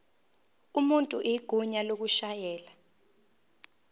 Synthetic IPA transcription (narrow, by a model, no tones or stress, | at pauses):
umuntʼuʔɛiɡ̥ʱuɲalok̬uʃajɛːla